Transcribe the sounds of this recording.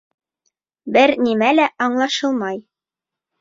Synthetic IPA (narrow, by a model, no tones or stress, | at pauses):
bɘɾnimælæʔɑɴlˠɑʃɤlˠmɑj